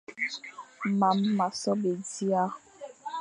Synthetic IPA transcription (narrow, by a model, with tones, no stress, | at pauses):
ma˨mːa˨sɔ˦be˨di˦a˦